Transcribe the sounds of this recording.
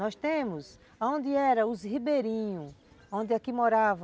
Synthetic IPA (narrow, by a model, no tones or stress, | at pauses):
ɔst̪ẽmʊs | aõnd̪ɪɛɾɐ̃ʊzhibeɾĩɲʊ | õnd̪ɪakimoɾavɐ